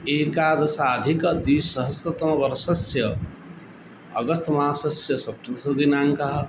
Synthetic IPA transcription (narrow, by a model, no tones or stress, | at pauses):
eːkaːd̪ɐsaːd̪ʱikɐd̪iːsːɐɦəsɐt̪mabɐɾɐsɐsjɐ | ʌ̰ɡʌst̪maːsɐsjɐsɐpɾɐd̪ɐsɐɡinaːŋkɐɦ